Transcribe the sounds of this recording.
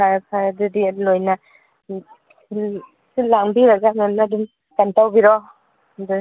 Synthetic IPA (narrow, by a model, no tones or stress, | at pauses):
apʰadudilojna | sɯlaŋbiɾaɡamemnadun | kantawɡiɾɔ | d